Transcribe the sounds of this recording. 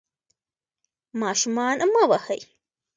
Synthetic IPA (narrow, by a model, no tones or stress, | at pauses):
mɑːʃumɑːnmawahəj